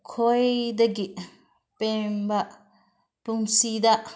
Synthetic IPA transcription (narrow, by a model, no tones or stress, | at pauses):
kʰojdaɡiʔ | pɛmbaʔ | puŋsidaʔ